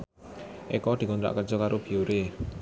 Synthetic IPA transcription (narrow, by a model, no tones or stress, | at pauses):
ʔɛkɔd̪̥i̤kɔnd̪ɾa̰ʔkərd͡ʒɔkaɾobioɾe